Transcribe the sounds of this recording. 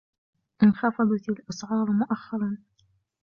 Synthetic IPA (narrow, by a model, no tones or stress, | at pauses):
ʔɪnxɑfɑd̪ˤɑt̪ɪlʔɑsʕɑːɾˤmʊʔaxːɑɾˤɑn